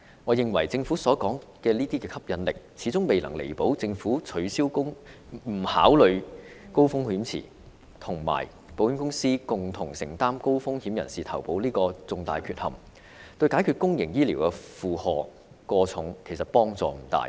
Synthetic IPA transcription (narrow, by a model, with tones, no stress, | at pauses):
ŋɔː˨˧jɪ˨ŋwɐ˨˩jt͡sɪ˧ŋfuː˨˥sɔː˨˥kɔː˨˥ŋkɛː˧liː˥t̪iː˥kɛː˧kʰɐ˥p̚jɐ˨nlɪ˨k̚t͡sʰiː˨˥t͡sʊ˥ŋme˨jlɐ̰˨˩ŋlḛ˨˩jpo˨˥wt͡sɪ˧ŋfuː˨˥t͡ʃʰɵ˨˥ɥsiː˥wkʊ˥ŋm̩˨˩haː˨˥wlɵ˨˧ɥko˥wfʊ˥ŋhyː˨˥mt͡sʰḭː˨˩ | t̪ʰʊ˨˩ŋma̰ː˨˩j | po˨˥wjy˥nkʊ˥ŋsiː˥kʊ˨ŋt̪ʰʊ˨˩ŋsɪ˨˩ŋt̪aː˥mko˥wfʊ˥ŋhiː˨˥mjɐ˨˩nsiː˨t̪ʰɐ˨˩wpo˨˥wliː˥kɔː˧t͡sʊ˧ŋt̪aː˧jkʰyː˧t̚hɐ̰˨˩m | t̪ɵ˧ɥkaː˨˥kʰyː˧t̚kʊ˥ŋjɪ˨˩ŋjiː˥liː˨˩wkɛ˧fuː˨hɔː˨˧ | kɔː˧t͡sʰʊ˨˥ŋkʰe˨˩jsɐ˨t̚pɔː˥ŋt͡sɔ̰ː˨˧m̩˨˩t̪a̰ː˨j